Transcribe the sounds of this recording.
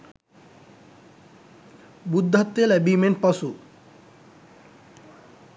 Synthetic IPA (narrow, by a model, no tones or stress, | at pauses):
bud̪ːɐt̪ːelɛbimenʈ̚pɐsu